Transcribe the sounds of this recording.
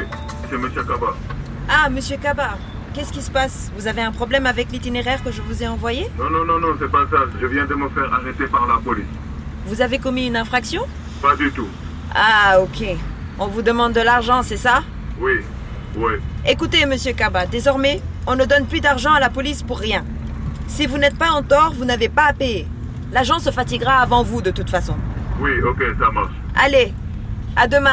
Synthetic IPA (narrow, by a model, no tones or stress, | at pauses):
sɛməsjøkaba | aməsjøkaba | kʲɛskʲisə̥pasvuzaveɛ̃pχɔblɛmavɛklit̪ineʁɛʁkəʒəvuzeɑ̃vwajenɔ̃nɔ̃nɔ̃nɔ̃sɛpasaʒəvjɛ̃d̪əməfɛʁaʁet̪epaʁlapɔlis | vuzavekɔmiynɛ̃fχaksjɔ̃ | pad̪yt̪u | aokʲe | ɔ̃vud̪əmɑ̃d̪ːəlaʁʒɑ̃sɛsa | wi | wiekut̪eməsjøkabad̪ezɔʁmɛɔ̃nəd̪ɔnplyd̪aʁʒɑ̃alapɔlispuʁːjɛ̃ | sivunɛt̪paɑ̃t̪ɔʁvunavepapeje | laʁʒɑ̃səfat̪iɡʁaːvɑ̃vud̪ət̪ut̪fasɔ̃wiokʲesamaʁʃale | ad̪əmɛ̃